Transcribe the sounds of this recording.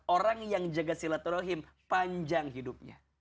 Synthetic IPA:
oɾaŋjaŋd͡ʒaɡasilat̪uɾoɦim | paɲd͡ʒaŋɦidup̚ɲa̰

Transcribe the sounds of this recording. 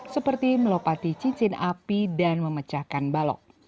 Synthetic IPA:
səpərt̪iməlopat̪it͡ʃiɲt͡ʃɪnʔapidanməmət͡ʃakanbalɔ̰k̚

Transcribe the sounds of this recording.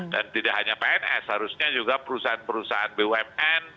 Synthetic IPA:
dant̪idaʔɦaɲapaɛnʔɛ̰shaɾusɲad͡ʒuɡapəɾusaɦanpəɾusaɦanbeuɛmɛn

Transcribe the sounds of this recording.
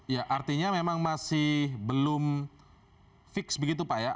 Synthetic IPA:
jaʔart̪iɲamemaŋmasɪhbəlʊm | fɪksbəɡit̪̬upaja

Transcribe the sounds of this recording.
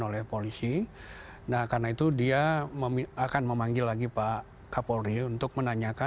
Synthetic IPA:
olɛhpolisi | nahkarənait̪udiaməmiakanməmaŋɡɪlːaɡipa | kapoɾiunt̪ʊk̚mənaɲaka

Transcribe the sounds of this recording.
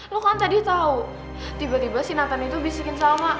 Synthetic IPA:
lokant̪adit̪au | t̪ibat̪ibasinat̪anit̪ubisikɪnsama

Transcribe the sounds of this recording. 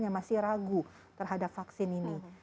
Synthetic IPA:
ɲamasɪhɾaɡu | t̪ərɦadap̚faksɪnini

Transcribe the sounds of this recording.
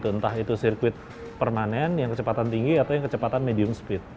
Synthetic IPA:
t̪uənt̪aɦit̪usirkuwɪt̪̚ | pərmanɛnjaŋkət͡ʃəpat̪ant̪iŋɡiat̪awjaŋkət͡ʃəpat̪anmediʊmsə̥pɪt̪̚

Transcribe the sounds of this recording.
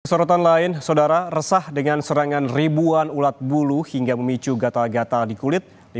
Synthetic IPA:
əsɔɾɔt̪anlaɪnsawdaɾarəsahdəŋansəɾaŋanribuanulat̪̚buluhiŋɡaməmit͡ʃuɡat̪alɡat̪aldikulɪt̪̚ | di

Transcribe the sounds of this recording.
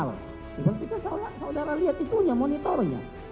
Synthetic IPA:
l | bisalkit̪asalasadaɾaliat̪it̪uɲamɔnit̪ɔrɲa̰

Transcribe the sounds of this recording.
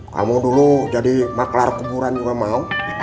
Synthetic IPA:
ka̰mudulud͡ʒadimaklarkubuɾanuɾamau

